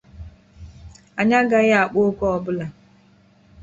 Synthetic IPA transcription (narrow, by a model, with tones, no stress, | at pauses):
a˨ɲa˦ɡa˦ɣa˦a˨k͡po˦kʷɔ˦ɔ˦bʊ˦la˨